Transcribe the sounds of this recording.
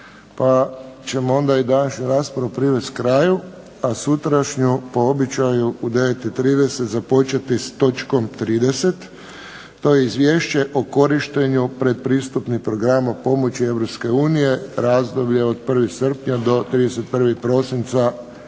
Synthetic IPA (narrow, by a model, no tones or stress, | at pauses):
pat͡ɕe̞moo̞nd̪aid̪anaʃɲuɾaːspɾaupɾiʋest̪kɾaːju | asut̪ɾaʃɲupo̞o̞bit͡ʃajuud̪e̞ʋet̪it̪ɾiːd̪e̞set̪zapo̞t͡ʃat̪ist̪o̞t͡ʃko̞mt̪ɾiːd̪e̞se̞t̪ː | o̞jeizʋʲjeːʃt͡ɕe̞ʔoko̞ɾiʃt̪e̞ɲupɾed̪̚pɾiːst̪upnixpɾo̞ɡɾamapo̞mo̞t͡ɕie̞ʋɾo̞pske̞uːnije̞ɾaːzd̪o̞bʎe̞od̪pr̩ʋixsr̩pɲad̪o̞t̪ɾiːd̪eset̪̚pr̩ʋixpɾo̞sint̪sa